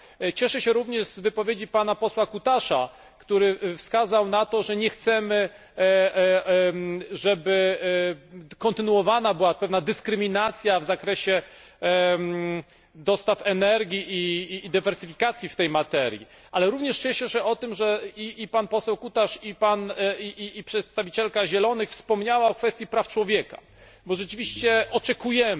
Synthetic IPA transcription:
t͡ɕɛʂɛɕɛɾuvɲɛʐzvɘpɔvʲjed͡ʑipanapɔswakut̪aʂa | kt̪uɾɘfskazawnat̪ɔʐɛɲɛxt̪sɛmɘ | ʐɛbɘ | kɔnt̪ɘnuɔvanabɘwapɛvnad̪ɘskɾɘmʲinat̪sʲjavzakɾɛɕɛ | d̪ɔst̪afɛnɛɾɡʲiʔiːd̪ɘvɛɾsɘfʲikat̪sʲjift̪ɛjmat̪ɛɾʲjḭ | ʔalɛɾuvɲɛʂɛɕɛɕɛɔt̪ɘmʐɛiːpanpɔsɛwkut̪aʂipaniiːpʂɛt̪st̪avʲit͡ɕɛlkaʑɛlɔnɘxfspɔmɲawaɔkfɛst̪ʲjipɾaft͡ʂwɔvʲjɛka̰ | bɔʐɛt͡ʂɘvʲiɕt͡ɕɛɔt͡ʂɛkujɛm

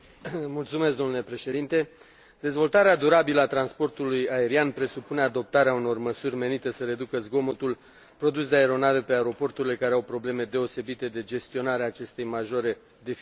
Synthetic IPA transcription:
mult̪sumeskd̪o̞mnule̞pɾe̞ʃe̞d̪int̪e̞ | d̪̥e̞zvo̞lt̪aɾead̪uɾabiləat̪ɾanspo̞rt̪ulujae̞ɾianpɾe̞supune̞ad̪o̞p̚t̪aɾeauno̞rməsurʲme̞nit̪əsəɾe̞d̪ukəzɡo̞mot̪ul | pɾo̞d̪usd̪eaeɾo̞nave̞pe̞aeɾo̞po̞rt̪uɾile̞kaɾeawpɾo̞ble̞me̞d̪e̞o̞se̞bit̪e̞d̪e̞d͡ʒe̞st̪io̞naɾeaːt͡ʃe̞st̪e̞jmaʒo̞ɾe̞ | d̪e̞f

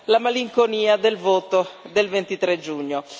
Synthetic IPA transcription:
lamaliŋkoniːad̪elvɔːt̪od̪elvent̪it̪ɾed͡ʒuɲːo

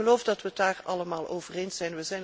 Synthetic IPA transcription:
əlowfdɑtʋədaːrɑləmaːlˠoːvərejnsɛjnʋəzɛjn

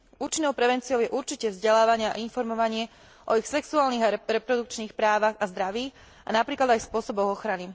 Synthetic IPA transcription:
uːt͡ʃinɔʊpɾɛʋɛnt͡siɔʊjɛʔuɾt͡ʃicɛvzɟɛlaːʋaɲɪaa̰ʔinfɔɾmɔʋaɲɪɛ | ʔɔixsɛksuaːlniɣaɾɛpɾɔd̪uk̚t͡ʃniːxpɾaːʋaɣazd̪ɾaʋiːx | a̰napɾiːklad̪ajspʊɔsɔbɔɣɔxɾani

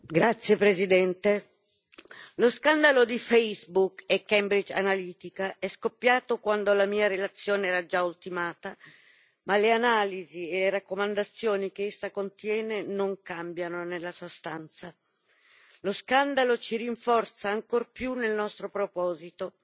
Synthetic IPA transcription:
ɡɾat̪sːjepɾezid̪ɛnt̪e | loskand̪alod̪ifɛjzbukekːɛmbɾid͡ʒa̰naliːt̪ikaɛskopːjaːt̪okwand̪olamiːaɾelat̪sːjoːneɛːɾad͡ʒault̪imaːt̪a | maleanaːlizieleɾakːomand̪at̪sːjoːnikeesːakont̪jɛːnenoŋkambjanonelːasuoast̪ant̪sa | loskand̪alot͡ʃiɾiɱfɔrt̪saːŋkorpjunːelnɔst̪ɾopɾopɔːzit̪o

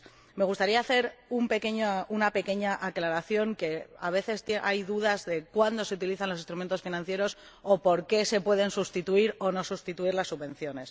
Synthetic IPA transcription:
me̞ɣ̞ust̪aɾiaːθe̞ɾumpe̞ke̞ɲounape̞ke̞ɲaʔaklaɾaθjo̞ŋke̞a̰β̞e̞θe̞st̪eʔajðuðazðe̞kwand̪o̞seut̪iliθanloist̪ɾument̪o̞sfinãn̟θje̞ɾo̞s | o̞po̞ɾke̞se̞pwe̞ð̞e̞nsust̪it̪uiɾo̞no̞sust̪it̪uiɾlasːuβẽ̞n̟θjo̞ne̞s

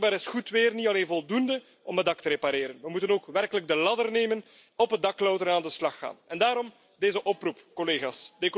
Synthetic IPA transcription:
baːɾɪsxutʋɪːrnitɑleːnvɔlˠdundə | ɔmədɑktəɾepaɾeːɾənʋəmutənoːkʋɛrkələɡ̚dəlɑdərneːmən | ɔpədɑklɔwtəɾnaːndəslɑxːa̰ːnɛndaːɾɔm | deːzəʔɔprupkɔleːɣaːsdek

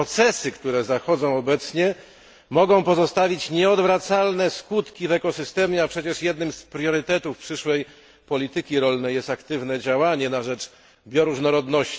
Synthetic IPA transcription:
t̪sɛsɘkt̪uɾɛzaxɔd̪zɔ̃w̃ɔbɛt̪sɲɛ | mɔɡɔ̃w̃pɔzɔst̪avʲit͡ɕɲɛɔd̪vɾat̪salnɛskut̪kʲivɛkɔsɘst̪ɛmʲjɛapʂɛt͡ɕɛʂjɛd̪nɘmspɾjɔɾɘt̪ɛt̪ufpʂɘʂwɛj | pɔlʲit̪ɘkʲiɾɔlnɛjɛst̪akt̪ɘvnɛd͡ʑawaɲɛnaʐɛt͡ʂ | bʲjɔɾuʐnɔɾɔd̪nɔɕt͡ɕ

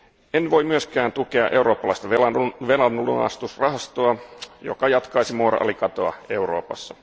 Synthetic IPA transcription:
enʋo̞imyøskæːnt̪ukeɑ̰ʔe̞uɾo̞ːpːɑlɑist̪ɑʋelɑʋelɑnlunɑ̰st̪usrɑɦɑst̪oɑjo̰kɑjɑt̪kɑisimoːrɑ̰ʔɑ̰likɑt̪oɑ̰e̞uro̞̰ːpɑ̰sːɑ

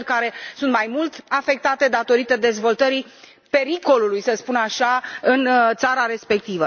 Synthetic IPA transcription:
rʲkaɾe̞sunt̪majmult̪afe̞k̚t̪at̪e̞d̪at̪o̞ɾit̪əd̪e̞zvo̞lt̪əɾi | pe̞ɾiko̞lulujsəspunaʃaɨnt̪saɾaɾe̞spe̞k̚t̪ivə

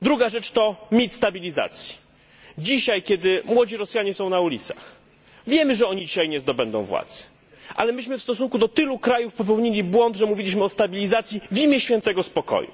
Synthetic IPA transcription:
d̪ɾuɡaʐɛt͡ʂt̪ɔmʲit̪st̪abʲilʲiza̰t̪sʲji̥ | d͡ʑiɕajkʲɛd̪ɘmwɔd͡ʑiɾɔsjaɲɛsɔ̃w̃naulʲit̪sḁx | vʲjɛmɘʐɛɔɲid͡ʑiɕajɲɛzd̪ɔbɛnd̪ɔ̰̃w̃vwa̰t̪z̥ | ʔa̰lɛmɘɕmɘfst̪ɔs̬uŋkud̪ɔt̪ɘlukɾajufpɔpɛwɲilʲibwɔnd̪ʐɛmuvʲilʲiɕmɘɔst̪abʲilʲizat̪sʲjivʲimʲjɛɕfʲjɛnt̪ɛɡɔspɔkɔ̰jṵ

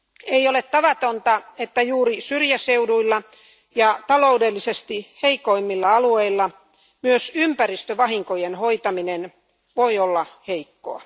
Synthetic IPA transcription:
eiolet̪t̪ɑʋɑt̪ont̪ɑet̪ːæjuːrisyrjæseuduilːɑ | jɑt̪ɑloudelːisest̪iheikoimːilːɑɑlueilːɑ | myøsympærist̪øʋɑhiŋkojenhoit̪ɑminen | ʋoiolːɑheikːo̰ɑ̰

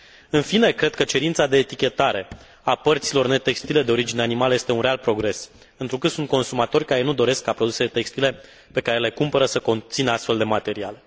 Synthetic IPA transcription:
ɨnfine̞kɾe̞d̪̚kət͡ʃe̞ɾint̪sad̪e̞ːt̪ikʲe̞t̪aɾe̞ | apərt̪silo̞rne̞t̪e̞kst̪ile̞d̪e̞o̞ɾid͡ʒineanimaljest̪e̞unɾealpɾo̞ɡɾe̞s | ɨnt̪ɾukɨt̪sunt̪̚ko̞nsumat̪o̞rʲkaɾenud̪o̞ɾe̞skːapɾod̪use̞let̪e̞kst̪ile̞ | pe̞kaɾe̞le̞kumpəɾəsəko̞nt̪sinəast̪fe̞ld̪e̞mat̪e̞ɾiale

